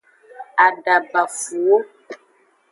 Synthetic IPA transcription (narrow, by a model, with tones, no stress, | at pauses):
a˨ɖa˨ba˨fu˨wo˦